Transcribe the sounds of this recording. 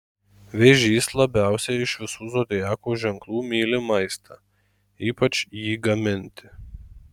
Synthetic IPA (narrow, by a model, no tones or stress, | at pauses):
ʋʲeʒʲiːslˠɐbʲæˑʊsʲɛɪʃʋʲɪsuːzoːd̪ʲɪjæːkuːʒʲɛŋklˠuːmʲiːlʲɪmɐɪst̪ʰɑː | iːpɐt͡ʃʲjiːɡɐmʲɪnʲt̪ʲɪ̥